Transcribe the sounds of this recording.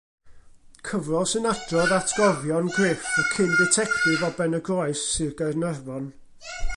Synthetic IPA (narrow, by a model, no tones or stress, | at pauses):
kʰəvrɔsɨnad̥rɔðatʰɡ̥ɔvjɔnɡrɪːfakʰɪndɪtʰɛktɪvɔbɛnəɡrɔɨsːɨɡərnɛrvɔn